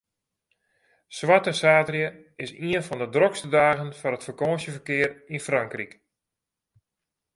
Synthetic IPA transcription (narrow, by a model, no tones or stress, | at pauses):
swatəsaːtrjə | ɪsiənfɔndədrɔkstədaːɣənfɔnətfərkoːsjəvərkɪərinfraŋkrik